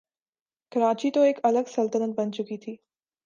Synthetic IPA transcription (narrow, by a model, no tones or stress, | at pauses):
kɐɾaːt͡ʃit̪oeːkɐləɡsɐlt̪ənət̪̚bɐnt͡ʃʊkiːt̪ʰiː